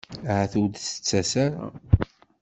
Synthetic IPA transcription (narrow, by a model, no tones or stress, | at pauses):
ʕaθud̪sə̥t͡sːæsaɾa̰